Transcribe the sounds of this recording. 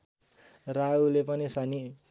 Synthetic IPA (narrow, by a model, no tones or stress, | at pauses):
raulepʌnisani